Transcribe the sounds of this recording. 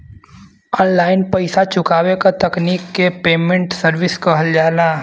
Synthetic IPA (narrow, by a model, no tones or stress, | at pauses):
ɔːnlaːɪnpɐɪsat͡ʃʊkaːʋekat̪ɐkniːkːepeːmẽɳʈsəɾʋɪskɐɦəld͡ʒaːlaː